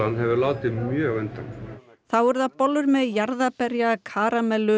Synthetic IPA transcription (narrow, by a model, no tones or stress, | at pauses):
anɦɛvʏɾlaːwt̪ɪmjœːɣɛnt̪a̰n | θawvɔɾðapɔlʏɾmɛðjaɾðapɛɾjakʰaːɾamɛlːʏ